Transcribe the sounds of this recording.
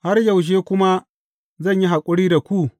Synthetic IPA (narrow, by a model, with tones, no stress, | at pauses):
ha˦rjɐ˨wʃ̬eː˦kʷʊ˦ma˦ | zɐ˦˨ɲji˦ɦa˨kʷʼʊ˦ɽiː˦da˨kʷuː˦